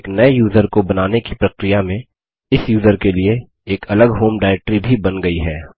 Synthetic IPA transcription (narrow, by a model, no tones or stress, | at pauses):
knɐejuːzəɾkobɐnaːnekipɾɐkɾijamẽ | ɪsjuːzəɾkelie | eːkʰɐləɡɦoːmɖaːɪɾɛk̚ʈɾibʱibɐnɡɐiɦɛː